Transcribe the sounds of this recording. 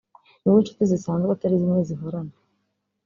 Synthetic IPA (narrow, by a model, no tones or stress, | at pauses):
niwunt͡ʃu̥t̪izisaːndat̪aɾizimŋeziɦoɾana